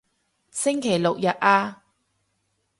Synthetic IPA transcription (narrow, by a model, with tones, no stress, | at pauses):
sɪ˥ŋkʰe˨˩jlʊ˨k̚jɐ˨t̚ʔaː˧